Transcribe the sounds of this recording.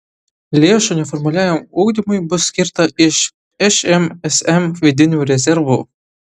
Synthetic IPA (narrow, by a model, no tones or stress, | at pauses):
lʲeːʃunʲɛfɔrmʊlʲæːjʲɪmuɡd̪ʲimʊjbʊsːʲkʲirt̪ɐɪʃ | ɛʃɛmɛsɛmʋʲid̪ʲɪnʲuːɾʲɛzʲɛɾʋu